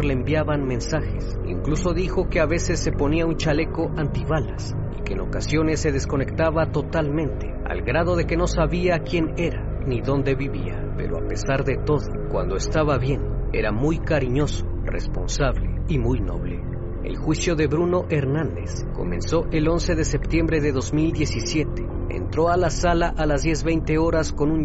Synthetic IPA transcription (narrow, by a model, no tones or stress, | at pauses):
ɾleːmbjaβanmẽ̞nsaxe̞s | ḭŋkluso̞ðixoke̞aβe̞se̞sːe̞po̞niaunt͡ʃale̞ko̞ʔant̪iβalas | ḭke̞eːno̞kasjo̞ne̞sːe̞ð̞esko̞ne̞kt̪aβat̪o̞t̪almẽ̞nt̪e | a̰lɡɾað̞o̞ðe̞ke̞no̞saβiakje̞ne̞ɾa | niðo̞nd̪e̞βiβḭa | pe̞̰ɾo̞a̰pe̞saɾðe̞t̪o̞ðokwa̰nd̪o̞est̪aβaβje̞ne̞̰ɾamujkaɾiɲo̞so̥ | re̞̰spo̞̰nsaβlḛimujno̞̰βle̞̰ | ḛlxwisjo̞ðe̞βɾuno̞ʔe̞ɾnãnd̪e̞s | ko̞̰mẽ̞nso̞ʔe̞lo̞nse̞ðe̞se̞pt̪je̞mbɾe̞ðe̞ðo̞zmild̪je̞sisje̞t̪e̥ | ḛnt̪ɾo̞alasalaʔalazðd̪je̞zβe̞jnt̪e̞o̞ɾasko̞nun